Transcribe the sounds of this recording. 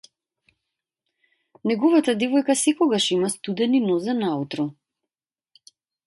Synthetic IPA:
nɛɡɔvat̪ad̪ɛvɔjkasɛkɔɡaʃimast̪ud̪ɛninɔzanaut̪ɾɔ

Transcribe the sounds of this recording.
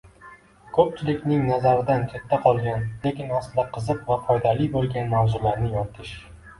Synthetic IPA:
kʰɵp̚t͡ʃʰɪlɪkʲnɪŋnazaɾɪd̪ankʲʰet̪ʰːaqʰɒlˠɡʲanlekʲɪnasɪd̪aqʰɨzɨqvafɒjd̪alibolˠɡʲanmavzʊlaɾnɪjɒt̪ʰɪʃ

